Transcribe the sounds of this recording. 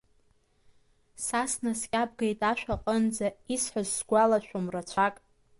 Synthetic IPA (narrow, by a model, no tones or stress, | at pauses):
sasnaskʲʼab̚ɡejtʼaʃᶣʷaqʼənd͡zaisħazsɡʷalaʃʷᶣomrat͡ɕʷʰakʼ